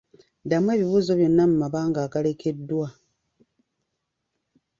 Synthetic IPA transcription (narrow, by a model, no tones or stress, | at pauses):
damwe̞ːβiβuːzo̞βjo̞nːamumaβaːŋɡaːɡalekedːwa